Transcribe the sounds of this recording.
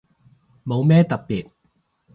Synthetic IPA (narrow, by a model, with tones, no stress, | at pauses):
mo˨˧wmɛː˥t̪ɐ˨k̚piː˨t̚